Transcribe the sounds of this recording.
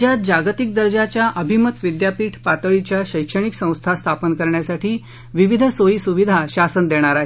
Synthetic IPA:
jat̪̚d͡ʑaɡt̪ik̚d̪əɾd͡ʑat͡ɕjaʔəbʱimət̪ʋid̪japiːʈʰpat̪əɭit͡ɕjaɕəjkʂəɽ̃iksə̃w̃st̪ʰast̪ʰapənkəɾɳjasaʈʰiː | ʋiʋid̪ʱsojisuʋid̪ʱaɕasənd̪eɽ̃aɾaɦ

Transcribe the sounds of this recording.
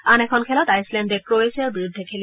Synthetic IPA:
anɛkʰɔnkʰɛlɔtajslɛndɛkɹoesiaɹbiɹud̪ʱːɛkʰel

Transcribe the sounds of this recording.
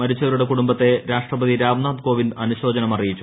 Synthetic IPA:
ɐɾit͡ɕːɐʋɐɾuɽe̞kuɽumbɐt̪ːe̞ɾaːʂʈrɐbɐðiɾaːʋnaːd̪̚ko̞ːʋindɐnuɕo̞ːd͡ʑɐnɐmɐrijit͡ɕːu

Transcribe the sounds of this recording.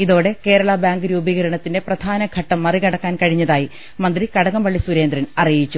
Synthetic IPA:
iðo̞ːɽe̞ke̞ːɾɐɭɐbaːŋɡɨɾuːbiɣɐɾɐɳɐt̪ːinde̞prɐd̪ʱaːnɐɡʱɐʈːɐmːɐriɣɐɽɐkːaːnkɐɻiɲːɐðaːji | mɐnd̪rikɐɽɐŋɐmpɐɭːisuɾe̞ːnd̪ɾɐnɐrijit͡ɕːu

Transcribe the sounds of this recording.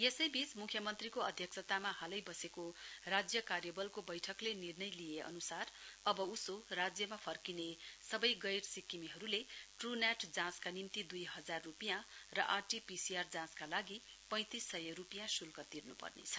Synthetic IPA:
jesʌjbit͡smukʰjʌmʌnt̪rikoʌd̪ʱjʌksʰʌt̪amaɦalʌjbʌsekorad͡zjʌkarjʌbʌlkobʌjʈʰʌklenirnʌjlijeʔʌ̰nusarʌbʌusorad͡zjʌmapʰʌrkinesʌbʌjɡʌjrsikːimiɦʌɾuleʈrunaʈʰd͡zãskanimt̪id̪ujɦʌd͡zarːupijãrʌʔarʈipisiard͡zãskalaɡi | pʌ̃j̃t̪isːʌjʌrupijãsulkʌt̪irnupʌ̰rnḛt͡sʰʌ̥

